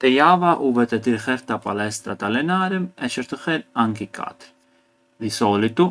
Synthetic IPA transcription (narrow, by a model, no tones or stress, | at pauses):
t̪ɛjavaʔuvɛt̪ɛt̪iɾxɛɾt̪apalɛst̪ɾat̪alɛnaɾəmɛt͡ʃəɾt̪əxɛɾaŋkikʰa̰t̪ɾ | d̪isɔlit̪u